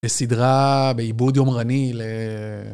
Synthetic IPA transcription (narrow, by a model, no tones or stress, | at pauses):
besidʁabeibud̪jo̞mʁanile